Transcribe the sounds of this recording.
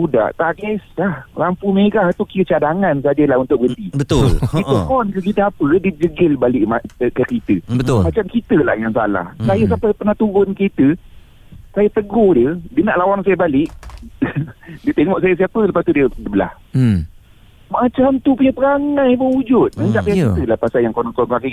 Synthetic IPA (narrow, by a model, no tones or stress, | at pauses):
uda̰ʔt̪aɡɪslahlampumeɾaht̪ukiət͡ʃadaŋans̬ad͡ʒəlahunt̪ʊʔ̚əɡənt̪ibət̪ʊlit̪əmɔnkəkit̪əapədid͡ʒəɡɪlbalɪʔmaəkəkit̪əbət̪ʊlmat͡ʃamkit̪əla̰hjaŋsa̰la̰hsajas̬apapənat̪uɾʊnkit̪ə | sajat̪əɡohdiədənaʔlawaŋnsajabalɪʔ | diət̪eŋɔʔsajas̬iapələpast̪udiədəbəla̰h | mat͡ʃamt̪upuɲəpəɾaŋãjbəud͡ʒʊt̪̚məɲd͡ʒaʔpajakit̪əlahpasaljaŋkɔnkɔaki